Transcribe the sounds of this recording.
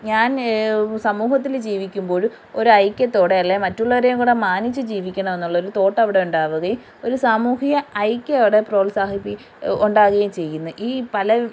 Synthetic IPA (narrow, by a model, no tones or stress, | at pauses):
ɲaːnsɐmuːhɐt̪̬ːild͡ʑiːʋikʲːumbo̞ːɭ | o̞ɾuɐjkʲːɐt̪ːo̞ːɽe̞ɐlːejmɐtːuɭːɐʋɐɾejumkuːɽemaːnit͡ɕːɨd͡ʑiːʋikʲːɐɳɐme̞nːuɭːɐoɾut̪o̞ːʈːɐʋiɽe̞uɳɖaːʋuɣɐjum | o̞ɾusaːmuːhijɐɐjkʲːɨɐʋiɽe̞pro̞ːlsaːhipːi | uɳɖaːɣɐjumt͡ɕe̞jːunːɐʔiːpɐlɐ